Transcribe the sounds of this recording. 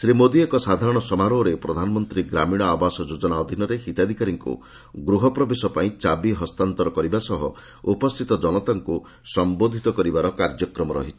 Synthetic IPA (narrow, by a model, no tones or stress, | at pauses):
sɾimod̪iekɔsad̪ʱaɾɔɽ̃ɔsɔmaɾoɾepɾɔd̪ʱanɔmɔnt̪ɾiɡɾamiɽ̃ɔabasɔd͡ʒod͡ʒɔnaɔd̪ʱinɔɾehit̪ad̪ʱikaɾiŋkṵ | ɡɾuɦɔpɾɔbesɔpaĩt͡ʃabiɦɔst̪ant̪ɔɾɔkɔɾibasɔɦɔ | upɔst̪ʰit̪ɔd͡ʒɔnɔt̪aŋku | sɔmbod̪ʱit̪ɔkɔɾibaɾɔkaɾd͡ʒɔkɾɔmɔɾɔ̰ɦit͡ʃʰi̥